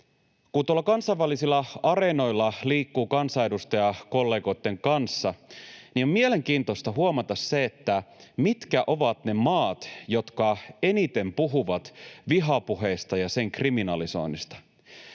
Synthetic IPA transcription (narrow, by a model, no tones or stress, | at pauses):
kunt̪uolːɑkɑnsɑiʋælːˑisilːɑɑre̞no̞jlːɑliːkːuːkɑnsɑe̞dust̪ɑjɑko̞lːe̞ːɡo̞it̪ːe̞ŋkɑnsːɑniommiele̞ŋk̟iːnt̪o̞st̪ɑɦuomɑt̪ɑsseːt̪ːæmit̪kæʔo̞ʋɑt̪ne̞mɑːt̪jo̞t̪kɑe̞nit̪e̞mpuɦuʋɑt̪ʋiɦɑpuɦe̞ist̪ɑjɑse̞ŋkriminɑliso̞̰inːist̪ɑ̥